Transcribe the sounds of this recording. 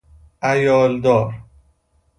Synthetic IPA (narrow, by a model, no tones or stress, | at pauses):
ʔæjɒːld̪ɒːɾ